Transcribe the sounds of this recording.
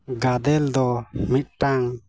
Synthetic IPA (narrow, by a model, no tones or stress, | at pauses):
ɡad̪ɛld̪ɔmit̪̚ʈaŋ